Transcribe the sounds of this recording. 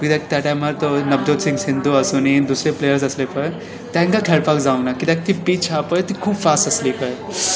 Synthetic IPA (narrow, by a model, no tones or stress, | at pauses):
kid̪ak̚t̪ɛʈaːjmaɾt̪onɐb̚d̪ot̪sɪ̃ŋsɪnd̪uɐsunid̪uːsɾeplejəɾsɐslepɐɾ | t̪ɛ̃ŋkakʰeɭpakzaːũnakid̪ak̚t̪ipiːt͡ʃʰaːpɐt̪ikʰuːbfaːsɐsliːpɐ